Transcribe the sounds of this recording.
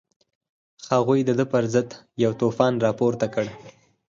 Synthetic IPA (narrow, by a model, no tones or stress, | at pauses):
haɣujd̪əd̪əpəɾzəd̪ | jawt̪ofɑnɾɑpoɾt̪akəɽ